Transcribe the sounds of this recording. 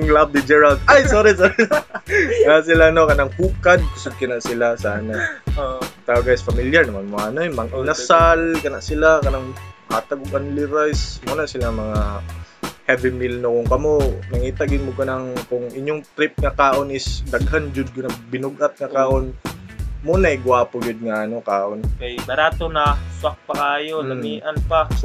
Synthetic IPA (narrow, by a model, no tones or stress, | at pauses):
ŋlab̚d̪ɪd͡ʒɛɹald̪̚ajsoːɾisoːɾɪ | as̬ɪlanokɐnaŋhuːkad̪̚kʊsod̪̚kɐnaʔsɪlasaːna | t̪aoɡajsfɐmiljaɹnɐmanmoɐnoɛmɐŋʔɪnasalkɐnaʔsɪlakɐnaŋhaːt̪aɡoɡʔanlɪɾajsmunaʔsɪlaŋmɐŋa | hɛvɪmɪlnokʊŋkɐmonɐŋiːt̪aɡɪd̪mʊɡɐnɐŋkʊŋʔɪɲjoŋt̪ɾɪp̚ŋɐkaːʔo̞nɪsd̪ɐɡhand͡ʒʊd̪̚kʊnɐbɪnʊɡʔat̪̚ŋɐkaːʔon | muːnajɡaːpʊɡʊd̪̚ŋɐʔɐnokaːʔo̞nkɐjbɐɾaːt̪onɐswak̚pɐkaːjolɐmiːʔɐnpa